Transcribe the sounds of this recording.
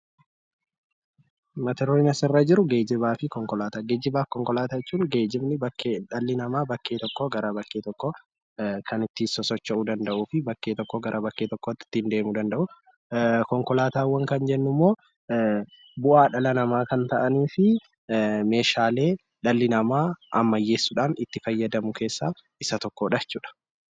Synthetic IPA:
mɐt̪ɛɾoɪnɐsɪrːaːd͡ʒɪɾʊɡe̞ːd͡ʒɪbaːfɪkɔŋkɔlaːt̪aːɡeːd͡ʒɪbaːkɔŋkɔlaːt̪aɛt͡ʃːuːŋɡe̞ːd͡ʒɪmnɪbɐkːeᶑɐlːɪnɐmaːbɐkːe̞ːt̪ɔkːɔɡɐɾɐbɐkːeːt̪ɔkːɔ | kʰɐnɪt̪ːɪsɔsɔt͡ʃːɐʔuːd̪ɐnd̪ɐʔuːfɪbɐkːeːt̪ɔkːɔɡɐɾʔɐbɐkːe̞ːt̪ɔkːɔɪt̪ːɪ̥t̪ːɪnd̪e̞ːmud̪ɐnd̪ɐʔʊ | kɔŋkɔlaːt̪aːwːɐŋkɐnd͡ʒɛnːʊmːoː | bʊʔaːᶑɐlɐnɐmaːkɐnt̪ɐʔɐniːfɪ | me̞ːʃaːle̞ː | ᶑɐlːɪnɐmaːʔɐ̰mːɐjːe̞ːsːʊᶑaːnɪt̪ːɪfɐjːɐd̪ɐmʊkʰe̞ːsːaː | ɪsɐt̪ɔkːoːᶑɐt͡ʃːuːᶑɐ̥

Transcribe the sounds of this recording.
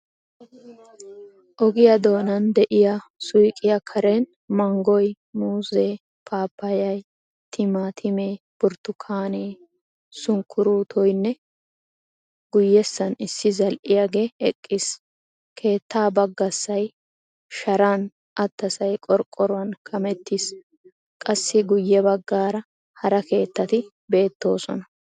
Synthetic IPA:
ʔɔɡɪjɐd̪o̞ːnɐnd̪ɛʔɪjɐsʊjkʼɪjɐkʰɐɾɛn | mɐŋɡɔj | muːzeː | pʰaːpːɐjɐj | t̪ʰɪmat̪ʰɪmeː | b̥ʊɾt̪ːʊkʰaːneː | sʊŋkʰːʊɾuːt̪ʰɔjnːɛ | ɡ̥ʊjːɛsːɐnɪsːɪzɐlʔɪjaɡe̞ːɛkʼːis | kʰe̞ːt̪ːaːbɐɡːɐsːɐj | ʃɐɾaːn | ʔɐt̪ːɐsɐjkʼɔɾkʼːɔɾʊwɐnkʰɐmɛt̪ːiːs | kʼɐsːɪɡʊjːɛbɐɡːaːɾɐ | hɐɾɐke̞ːt̪ːɐt̪ɪ | be̞ːt̪ːo̞ːsɔnɐ

